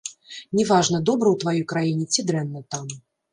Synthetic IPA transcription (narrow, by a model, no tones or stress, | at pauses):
nʲɛvaʐnɐd̪ɔbɾɐwt̪vajɔjkɾajinʲɛt͡sʲid̪ɾɛnːɐt̪am